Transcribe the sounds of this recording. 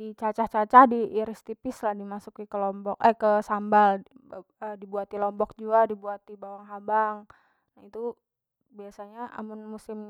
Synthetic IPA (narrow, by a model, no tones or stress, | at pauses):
dit͡ʃat͡ʃaht͡ʃat͡ʃahdiʔːɾist̪ipɪslahdimasʊkikəlɔmbɔkɛkəsambal | ədibuat̪ilɔmbɔk̚d͡ʒuɡadibuat̪ibawaŋɦabaŋ | nait̪u | biasaɲaʔa̰mʊnmusɪm